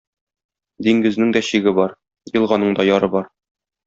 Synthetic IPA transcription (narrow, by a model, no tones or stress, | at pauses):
d̪iŋɡɘ̆znɘŋd̪ɒɕiɡɘbɒɾ | jɤ̆lˠʁɑnɤɴd̪ɒjɒɾɤbɒɾ